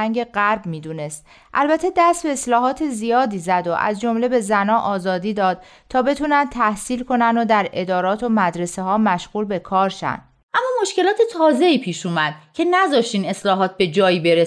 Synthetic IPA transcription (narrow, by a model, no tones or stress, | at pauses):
æŋɟe̞ɢæɾbmiːd̪uːne̞st̪ | ʔælbæt̪ʰe̞d̪æst̪be̞ːslɒːɦɒːt̪ʰe̞zijɒːd̪iːzæd̪o̞ʔæ̰zd͡ʒo̞mle̞be̞zænɒːʔɒːzɒːd̪iːd̪ɒːd̪̥ | t̪ʰːɒːbe̞t̪ʰuːnænd̪̚t̪ʰæhsiːlkʰo̞nænd̪od̪æɾe̞d̪ɒːɾɒːt̪ʰo̞mæd̪ɾeseɦɒːmæʃɣuːlbe̞kʰɒːɾʃæ̰nd̪̥ | ʔæmːɒːmo̞ʃce̞lɒːt̪ʰet̪ʰɒːze̞iːpʰiːʃuːmæd̪̥̚cʰe̞næzɒːʃt̪iːne̞slɒːɦɒːt̪̚ʰbe̞d͡ʒɒːiːbeɾe